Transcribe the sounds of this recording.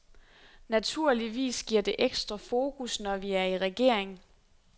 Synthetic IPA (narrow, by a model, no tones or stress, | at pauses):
næt͡sʰuɐ̰liʋḭːsɡ̥iɐ̰d̥e̝ʔeɡ̥sd̥ʁɐfo̝ːkʰusnɒʋiæɐiʁɛɡ̥e̝ɐ̰eŋ